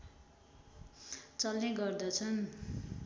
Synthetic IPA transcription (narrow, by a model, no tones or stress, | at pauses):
t͡sʌlneɡʌrd̪ʌt͡sʰʌn